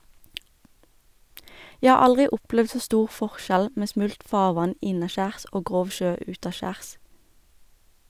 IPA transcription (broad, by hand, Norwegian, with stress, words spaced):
ˈjæ ˈhɑː ˈɑlʁɪ ˈʔʊplɛʋd ˈsoː ˈstuːʁ ˈfɔʁˌʃæl ˈmeː ˈsmʉlt ˈfɑːʁˌʋɑn ˈɪnɑˌʃæːʁs ˈoː ˈɡʁoːʋ ˈʃøː ˈʉːtɑˌʃæːʁs